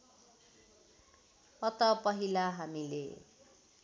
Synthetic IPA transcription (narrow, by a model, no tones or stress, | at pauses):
ʌt̪ʌpʌɦilaɦamilḛ